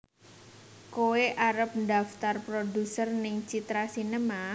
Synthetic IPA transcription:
koweʔaɾəp̚ndaft̪arpɾodusərnɪŋt͡ʃit̪ɾasinəma

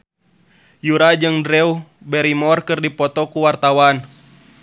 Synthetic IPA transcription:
juɾad͡ʒɨŋdɾɛubɛɾimɔrkɨrdipɔt̪ɔkuwart̪awan

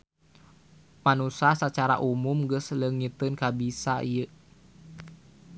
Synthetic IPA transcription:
manusahsat͡ʃaɾa̰ʔumumɡəsləŋit̪ɨnkabisaʔijə

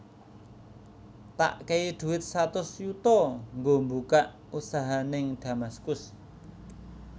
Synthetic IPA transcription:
t̪a̰ʔkeiɖ̪̥ṳwɪt̪̚sat̪ʊsjut̪ɔŋɡombukaʔ | usaɦanɪŋɖ̥ä̤maskʊs

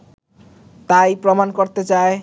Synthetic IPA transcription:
t̪ajpɾɔmankoɾt̪et͡ʃae

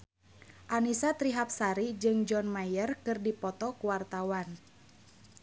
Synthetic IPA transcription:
ʔanisat̪ɾiɦap̚saɾid͡ʒɨŋd͡ʒɔnmajərkɨrdipɔt̪ɔkuwart̪awan

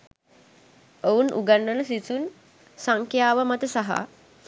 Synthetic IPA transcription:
ounʔṵɡanːənəsisun | saŋkjaːʋəmat̪əsaɦa̰

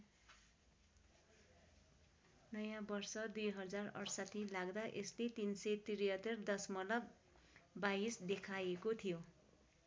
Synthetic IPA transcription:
nʌjãbʌrsʌd̪ujɦʌd͡zarʌ̰ɽsʌt̪ʰilaɡd̪aʔeslet̪insʌjt̪iɾiɦʌt̪erd̪ʌsmʌlʌb | baisd̪ekʰajekot̪ʰijo

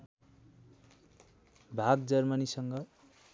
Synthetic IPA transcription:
bʱaɡd͡zʌrmʌnisʌŋɡʌ

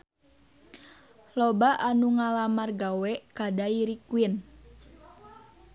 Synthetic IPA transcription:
lobaʔanuŋalamarɡawɛkadaiɾikuin

